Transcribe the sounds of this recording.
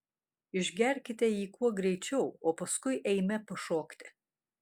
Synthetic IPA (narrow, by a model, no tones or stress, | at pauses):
ɪʒʲɡʲɛɾʲkʲɪt̪ʲɛiːkuɔɡɾʲɛɪt͡ʃʲɛʊoːpɐskʊɪʔɛɪmʲɛpɐʃoːkt̪ʲɪ